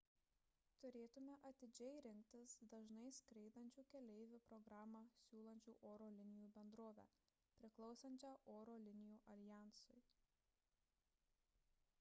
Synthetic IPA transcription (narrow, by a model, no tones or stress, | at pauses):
t̪ʊɾʲeːt̪ʊmʲɛʔɐt̪ʲɪd͡ʒʲɛɪɾʲɪŋʲk̚t̪ʲɪsd̪ɐʒnɐɪskɾʲɛɪd̪ɐnʲt͡ʃʲuːkʲɛlʲɛɪʋʲʊpɾɔɡɾɑːmɑːsʲuːlˠɐnʲt͡ʃʲuːʔoːɾoːlʲɪnʲɪjuːbʲɛnd̪ɾoːʋʲæ̰ː | pʲɾʲɪklˠɒʊsɐnʲt͡ʃʲɛːʔoːɾoːlʲɪnʲɪjuːʔɐlʲɪjæˑnsʊj